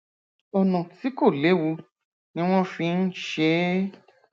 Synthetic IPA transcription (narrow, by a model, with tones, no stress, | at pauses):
ɔ˨nɔ̃˨ti˨˦ko˦˨le˨˦wu˧ | nĩ˧˦w̃ɔ̃˦fĩ˧n̩˦ʃe˧˦